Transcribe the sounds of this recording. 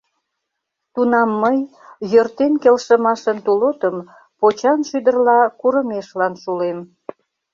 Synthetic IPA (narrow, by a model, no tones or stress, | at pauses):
t̪unɑmːəj | jørt̪enkelʃəmɑʃənt̪ulot̪əm | pot͡ɕɑnʃyd̪ərlɑkuɾəmeʃlɑnʃulem